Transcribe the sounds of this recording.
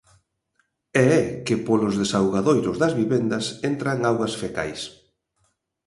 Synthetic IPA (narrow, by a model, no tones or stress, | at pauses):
ɛɛkɪpolʊzðesawɣaðojɾʊzðɐzβiβend̪ɐsent̪ɾaŋawɣɐsfeka̰js